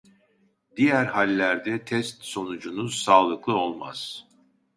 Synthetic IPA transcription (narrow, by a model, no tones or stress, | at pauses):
d̪ijæɾhalʲːæɾd̪ɛt̪ʰɛst̪so̞nud͡ʒunusaːlˠɯklˠɯo̞lˠma̰z̥